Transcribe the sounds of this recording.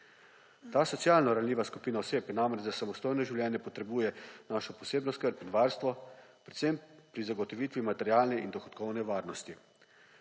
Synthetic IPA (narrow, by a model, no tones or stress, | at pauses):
t̪aːsɔt̪sjalnɔɾanlʲiːʋaskupiːnaɔseːpjɛnamɾɛd͡ʒzasamɔst̪oːjnɔʒiwlʲjɛːnjɛpɔt̪ɾɛbuːjɛnaːʃɔpɔseːbnɔskəɾpnʋaːɾst̪ʋɔpɾɛt̪sempɾizaɡɔt̪ɔʋiːt̪ʋimat̪ɛɾjaːlnɛʔind̪ɔxɔt̪kɔwnɛʋaːɾnɔst̪i